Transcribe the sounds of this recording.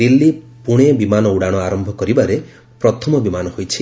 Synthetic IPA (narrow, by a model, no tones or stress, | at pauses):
d̪ilːi | puɽ̃ebimanɔuɽaɽ̃ɔaɾɔmbʱɔkɔɾibaɾe | pɾɔt̪ʰɔmɔbimanɔhojt͡ʃʰi